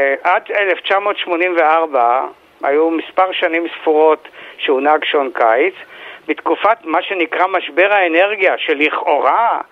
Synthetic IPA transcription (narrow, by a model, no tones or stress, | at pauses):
ʔadeleft͡ʃamo̞tʃmo̞nimveaʁba | a̰jumispaʁʃanimsfuʁo̞tʃeunaɡʃonkajt͡sbet̪kufatmaʃenikʁamaʃbe̞ʁaene̞ʁɡijaʃeliχo̞ʁa